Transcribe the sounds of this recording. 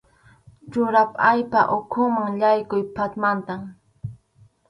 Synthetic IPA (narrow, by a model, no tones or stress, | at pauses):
t͡ʃʊɾapajpa̰ʔʊkʰʊmaŋʎajkʊjpat̪mant̪am